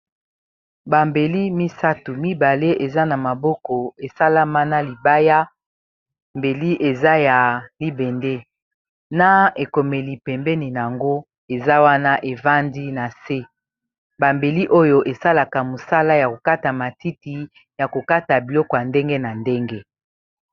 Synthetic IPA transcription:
ba˨mbe˨li˦mi˦sa˦tu˨mi˦ba˨le˦ʔe˨za˦na˨ma˨bɔ˦kɔ˨e˨sa˦la˦ma˦na˦li˨ba˦ja˦ | mbe˨li˦ʔe˨za˦ja˨li˦bɛ˨nde˦ | na˦e˨ko˨me˨li˨pɛ˨mbɛ˦ni˨n˨a˨ŋɡo˦ | e˨za˦wa˦na˦ʔe˨va˦ndi˦na˨se˦ | ba˨mbe˨li˦ʔo˦jo˦ʔe˨sa˦la˨ka˨mo˨sa˦la˦ja˨ko˨ka˦ta˨ma˨ti˦ti˨ | ja˨ko˨ka˦ta˨bi˨lɔ˦kɔ˨ja˨nde˦ŋɡe˦na˨nde˦ŋɡe˦

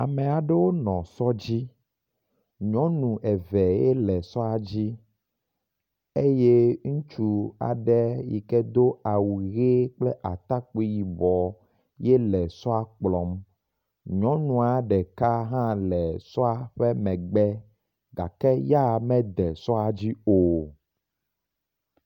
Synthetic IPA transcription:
a˨mɛ̃˨a˨ɖe˦wo˦nɔ̃˨sɔ˦d͡ʑi˦ | ɲɔ̃˦nũ˨ʔɛ˨vɛ˨jɛ˦lɛ˨sɔ˦a˨d͡ʑi˦ | e˦je˦ŋũ˦t͡ʃu˦a̰˨ɖɛ˦jḭ˨kɛ˦d̪o˦a˨wu˨ɣe˦k͡plɛ˦ʔa˨t̪a˦k͡pi˦ji˨bɔ˨ | jɛ˦lɛ˨sɔ˦a˨k͡plɔ˨˦m | ɲɔ̃˨˦nũ˨a˨ɖɛ˨ka˦ɦã˦lɛ˨sɔ˦a˨ɸɛ˦mɛ̃˨ɡ͡bɛ˦ | ɡa̰˨kɛ˦ja˦˨mɛ̃˦d̪ɛ˨sɔ˦a˨d͡ʑi˦o˨

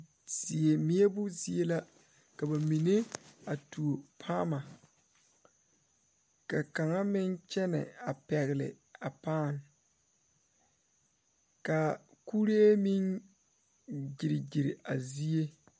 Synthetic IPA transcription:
sɪ˨e˨mɪ˨˦e˦bʊ˦zi˦e˦la˦ | ka˨ba˨mi˨ne˦a˨tu˨o˨pʰaː˦ma˨ | ka˨ka˨ŋa˦mɪ˦nt͡ʃɛ˦nɛ̰˨a˨pɛ˨ɣɪ˨lɪ̰˨ | a˨paː˦˨n | ka˨ku˦ɾi˦e˦mi˦n | d͡ʒɪ˨ɾɪ˨d͡ʒi˨ɾɪ˨a˨zi˦e˦

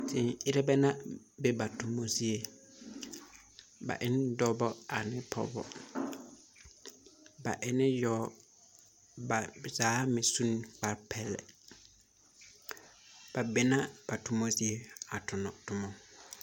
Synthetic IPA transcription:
tʰɪ˨ɪ˦ɾɛ˦bɛ˦nã˦ | be˨˦ba˨tʰʊ˨mõ˨si˦e˨ | ba̰˨ʔɪ˦n˦dɔ˦bɔ˦a˨nɪ̃˦pʰɔ̰˦bɔ̰˨ | ba̰˨ʔɪ˦nɪ̃˦jɔ˦ | ba˨saː˨˦mɪ̃˨sũ˦n˦k͡pa˨ɾpʰɛ˦lɛ̰˨ | b̥a˨be˨nã˦b̥a˨tʰʊ˨mõ˦si˦e˨a˨tʰʊ˨nɔ̃˨tʊ˨mɔ̃˨

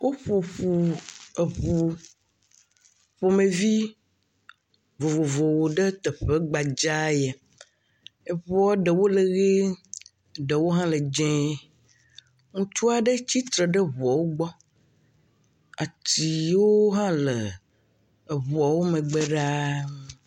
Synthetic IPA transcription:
wʔo˦ɸo˨ɸu˨e˨βu˨ | ɸo˨mẽ˨vi˦ | vo˨vo˨vo˨wo˨ɖə˦t̪ɛ˨ɸe˦ɡ͡ba˨d͡ʒa˦jɛ˨ | e˨βɔ˦ɖe˨wo˦le˨ɣe˦˨ | ɖe˨wo˦ɦã˦le˨d͡ʒɛ̃˦ | ŋũ˦t͡ʃu˦a˨ɖe˦t͡ɕi˦t̪ɾe˨ɖe˦βɔ˨wo˦ɡ͡bɔ˦ | a˨t̪i˨wo˦ɦã˦le˨ | e˨βɔ˨wo˦mẽ˨ɡ͡be˦ɖa˦

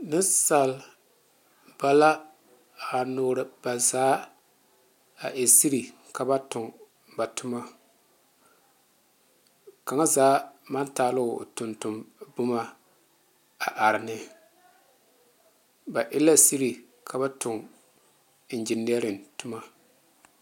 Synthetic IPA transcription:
nɪ˦nsa˨l | ba˦la˦ | a˨noː˦ɾɨ˨ba˨zaː˦ | a˨ʔɪ˨si˦ɾi˨ | ka˨ba˦tʊ˨ŋ | ba˨tʊ˦ma˦ | ka˨ŋa˦zaː˨˦ma˦ntaː˨˦˨lʊ˦˨tʊ˨ntʊ˨mbʊ˦ma˦ | a˨ʔa˨ɾɪ˨nɪ˦ | ba˨ʔɪ˦la˦si˦ɾi˨ | kʰa˨ba˦tʊ˨ŋ˦ | n̩˨d͡ʒɪ˨nː˦ɛ˦ɾɪ˨ntʊ˦ma˦

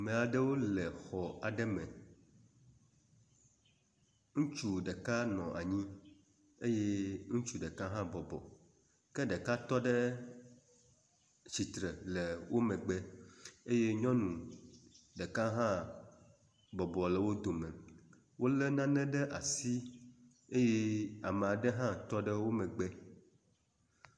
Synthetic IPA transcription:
mɛ̃˨a˨ɖɛ˦wo˦lɛ˨xɔ˨a˨ɖɛ˦mɛ̃˨ | ŋũ˦t͡ʃu˦ɖɛ˨ka˦nɔ̃˨ʔa̰˨ɲĩ˦ | e˦je˦ŋũ˦t͡ʃu˦ɖə˨ka˦ɦã˦bɔ˨bɔ̰˨ | kɛ˦ɖə˨ka˦t̪ɔ˦ɖɛ˦ | t͡ɕi˨t̪ɾɛ˨lɛ˨wo˦mɛ̃˨ɡ͡bɛ˦e˦je˦ɲɔ̃˦nũ˨ | ɖə˨ka˦ɦã˦ | bɔ˨bɔ˨lɛ˨wo˦d̪o˨mɛ̃˨ | wo˦lɛ˦nã˦nɛ̃˦ɖɛ˦ʔa˨si˦ | e˦je˦a˨me˨a˨ɖɛ˦ɦã˦t̪ɔ˦ɖə˦wo˦mɛ̃˨ɡ͡bɛ˦

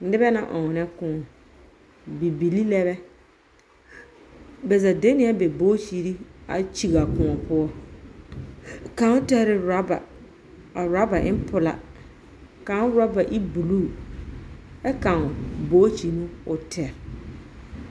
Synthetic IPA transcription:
nɪ˦bɛ˦nã̰˨ʔɔ˨nɛ˦kʊ̃˨ɔ˨ | bi˨bi˨li˦lɛ˦βɛ˦ | bɛ˨za˨de˦nɪ˦a˦bɛ˨boː˦t͡ʃi˨ɾi˦a̰˨t͡ʃi˨ɣa˨kʊ̃˨ɔ˨pʊ˦ɔ˦ | kã˨˦ʊ˦tɛ˦ɾɪ˦ɾa˦ba̰˨ | a˨ɾa˦ba˨ʔɪ˦pʊ˨la̰˨ | ka˨˦ɾa˦ba˨ʔi˦bu˨luː˦˨ | ɛ˦kã˨boː˦t͡ʃi˨mũ˦ʊ˨tʰɛ˨ɾ

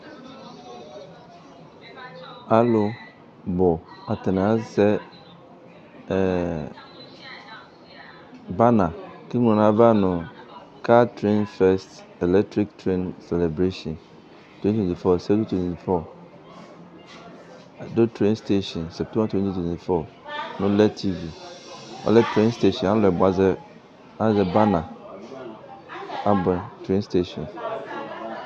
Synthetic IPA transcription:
a˦lʊ˦ | bɔ˨a˨tɛ˨nã˨˦sɛ˦˨ | ba˦nã˨ki˦ŋ˨ʊ̃˨nã˨˦ba˦nʊ̃˨ | ka˦tɾẽ˦nfɛ˦st | ɛ˨lɛ˦k̚tɾi˦ktʰɾẽ˦nsɛ˨lɛ˨bɾe˦ʃɔ̃˨n | tʰwɛ̃˦ti˦tʰwɛ̃˨i˨fɔ˦sɛ˦kũ˦tʰwɛ̃˨ti˨fɔ˦˨ | dʊ˦tʰɾẽ˦nste˦ʃɔ̃˨nsɛ˨p̚tʰɛ̃˦ã˦twɛ̃˦nti˦tʰwɛ̃˨nti˨fɔ˦˨ | nʊ̃˦lɛ˦tʰi˦vi˨ɔ̰˨lɛ˦tʰɾẽ˦nste˦ʃɔ̃˨ã˦lɛ˨bʊ˨a˨zɛ˦ | ã˦zɛ˦ba˦nã˨ | a˦bɛ̃˨ntʰɾẽ˦nste˦ʃɔ̃˨n

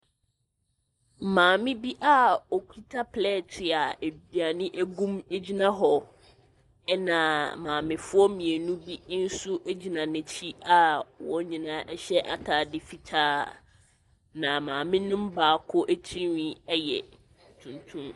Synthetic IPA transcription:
mãː˨mɪ̃˦bi˦ʔa˦ɔ˨ki˦tʰa˦pʰlɛ˦˨tʰɪ˨a˨e˨bi˨a˨nɪ̃˦ʔæ˦ɡũ˦me˦d͡ʑi˦nã˦ɦɔ˨ | ɛ˦nã˨mãː˨mɪ̃˨fʊ˦ɔ˦mĩ˨e˨nũ˦bi˦n̩˦sʊ˦ʔe˦d͡ʑi˨nã˨nɪ̃˨t͡ɕʰi˦a˦wɔ̃˦ɲĩ˨nãː˦ʔɛ˦ɕɛ˦ʔa̰˨tʰaː˨dɪ˦fi˨tʰaː˦ | nã˨mãː˨mɪ̃˦nʊ̃˦m̩˦baː˨˦˨kʰʊ˦ʔæ˦t͡ɕʰi˦wĩ˦ɛ˦jɛ̰˨ | tʰũ˨ntʰũ˦m

